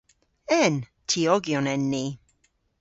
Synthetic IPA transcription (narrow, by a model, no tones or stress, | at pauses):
ɛntʰiɔɡjɔnɛnːi